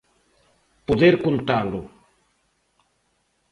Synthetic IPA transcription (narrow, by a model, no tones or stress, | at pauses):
poðeɾkont̪alʊ